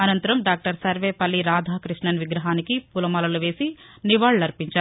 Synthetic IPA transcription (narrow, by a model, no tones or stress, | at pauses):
ɐnɐnt̪ɐɾɐmɖaːk̚ʈɐɾsɐɾʋeːpɐlːiɾaːd̪ʱaːkɾiʂɳɐnʋiɡɾɐɦaːnikipulɐmɐlɐluʋe̞ːsiniʋaːɭɐlɐɾpiɲt͡ʃaːɾu